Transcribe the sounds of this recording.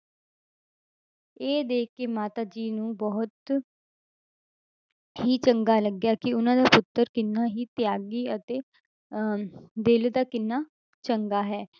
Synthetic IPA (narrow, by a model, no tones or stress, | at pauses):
eːd̪eːkːeːmaːt̪aːd͡ʒiːnũːbɔːt̪ | ɦiːt͡ʃəŋɡaːləɡjaːkɪʊnãːd̪aːpʊt̪ːəɾkɪnːaːɦiːt̪ɪjaːɡiːət̪eː | d̪ɪld̪aːkɪnːaː | t͡ʃəŋɡaːɦɛː